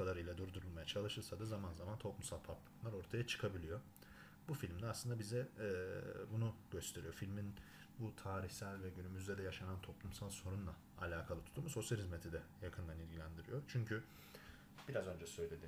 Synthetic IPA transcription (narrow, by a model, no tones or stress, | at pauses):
kad̪aɾɯjlʲɛd̪uɾd̪uɾulˠmajat͡ʃʰalˠɯʃɯɾsad̪azamanzamant̪ʰo̞plˠumsalˠpʰaplˠamnlˠaɾo̞ɾt̪ʰajat͡ʃʰɯ̥kʰabilʲijo̞ | bufilʲmd̪ʲɛaslˠɯnd̪abizɛ | bunuɟ̥øst̪ʰe̞ɾḭjo̞filʲmin | but̪ʰaːɾiçsælʲvɛɟynymyzd̪ɛd̪ɛjaʃanant̪ʰo̞plˠumsalˠso̞ɾunlˠa | alʲaːkʰalˠɯt̪ʰu̥t̪ʰːumuso̞sjalʲhizmet̪ʰid̪ɛjakʰɯnd̪anilʲɟilʲænd̪iɾḭjot͡ʃʰyɲcʰy | b̥iɾazø̞nd͡ʒɛsø̞jlʲe̞d̪i